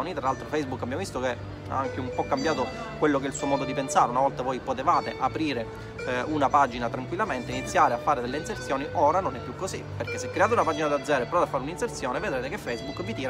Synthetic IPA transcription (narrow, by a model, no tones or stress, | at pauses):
nit̪ɾalalt̪ɾofɛjzbukːabjamovist̪oke | a̰aŋkeumpɔkːambjaːt̪o | kwelːok̬ɛilsuːomɔːd̪od̪ipensaːɾeunavɔlt̪avɔːjpot̪evaːt̪eʔapɾiːɾe | unapad͡ʒinat̪ɾaŋkwilːament̪einit̪sːjaːɾeafːaːɾed̪elːeinsert̪sjɔːniʔoːɾanonɛpːjukːosiperk̟esːekːɾeaːt̪eunapaːd͡ʒinad̪ad̪zɛːɾoepːɾɔd̪afːaɾuninsert̪sjɔːneved̪ɾeːt̪ekefɛjzbukːvit̪iːɾ